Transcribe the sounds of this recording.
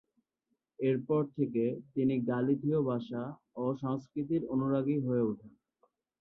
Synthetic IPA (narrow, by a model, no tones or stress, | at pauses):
eɾpɔɾt̪ʰeket̪iniɡalid̪ʱiobʱaʃa | oʃaŋskɾit̪̬iɾonuɾaɡiɦoeuʈʰa